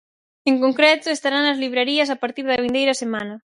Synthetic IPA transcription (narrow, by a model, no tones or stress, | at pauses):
eŋkoŋkɾɛt̪ʊest̪aɾaŋnɐzliβɾeɾiɐsapaɾt̪iɾðɐβind̪ejɾɐsemanɐ